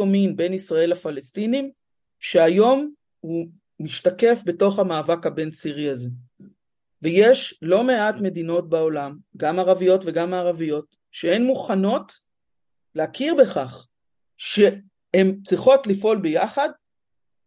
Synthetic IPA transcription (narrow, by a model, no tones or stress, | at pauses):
ominbenisʁae̞lafalestinim | ʃe̞ajo̞m | hu | miʃtake̞fbe̞to̞χhamaːvakabe̞nsiʁiaze̞ | vejeʃlo̞me̞atme̞dino̞t̚baolamɡamaʁavijo̞tve̞ɡamaːʁavijo̞t | ʃeenmuχano̞t | leakiʁbe̞χaχ | ʃe̞ | hemt͡sʁiχo̞tlifʔo̞lbejaχad